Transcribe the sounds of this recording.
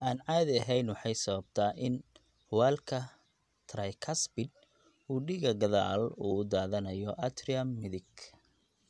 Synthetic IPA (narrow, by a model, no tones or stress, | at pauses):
ʔaːnʕaːd̪ɐɦɛjnwɑħɑjsɐβɐb̚t̪ʰaːʔɪn | waːlkʰɐ | t̪ʰɾɐjkʰɐsbɪd̪̚ | uːɖiɣɐɡɐða̰ːluːʊd̪aːðɐnɐjɔʔɐd̪rɪɐmːɪðɪɡ